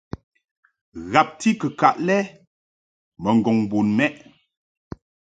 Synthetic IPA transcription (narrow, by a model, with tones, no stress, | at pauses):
ɣa˨p̚ti˦kə˨ka˨ʔlɛ˦ | mə˨ŋ̩˨ɡɔ˨ŋbu˨nmɛ˦ʔ